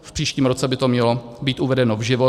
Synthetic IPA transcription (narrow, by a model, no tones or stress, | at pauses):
fpr̝̥iːʃciːmɾot͡sɛbɪt̪o̞mɲɛlobiːt̪uvɛdɛnovʒɪvo